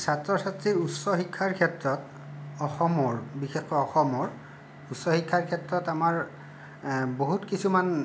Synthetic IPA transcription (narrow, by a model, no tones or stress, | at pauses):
satɹɔsatɹiutsɔxikʰːaɹkʰɛtɹɔt | ɔxɔmɔɹbixexɔjɔxɔmɔɹ | utsɔxikʰːaɹkʰɛtɹɔtamaɹ | boɦutkisuman